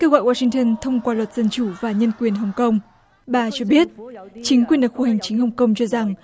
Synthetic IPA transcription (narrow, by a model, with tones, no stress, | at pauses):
kəː˧wɣɔ̰˧˨jwaː˧si˧ŋ̟t̪ə˧nt̪ʰə˧wŋ͡mkwaː˧lwə˨˩t̚z̥ə˧nt͡ɕu˧˩vaː˨˩ɲə˧nkwi˨˩ənɦə˨˩wŋ͡mkə˧wŋ͡m | ɓaː˨˧˩t͡ɕɔ˧ɓi˦˥ət̚t͡ɕï˨˦ŋkwi˨˩ənɗɨ˨˩k̚fu˧˩ha˨˩jŋ̟t͡ɕï˨˦ŋ̟hə˨˩wŋ͡mkə˧wŋ͡mt͡ɕɔ˧za˨˩ŋ